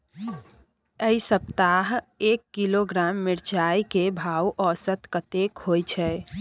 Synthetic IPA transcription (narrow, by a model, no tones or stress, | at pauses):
əisəp̚t̪aɦ | ekːiloɡɾamːiɾt͡ʃajkebʱawʔɔsət̪kət̪ekɦojt͡ʃʰɛ